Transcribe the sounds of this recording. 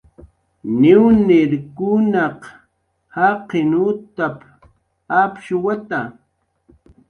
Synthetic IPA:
nɪwnɪɾkʊnaq | haqɪnʊt̪ap | apʃʊwat̪a

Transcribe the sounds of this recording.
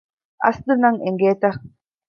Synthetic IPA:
a̰sd̪ɯnaŋɛŋɡɛːt̪ɛχ

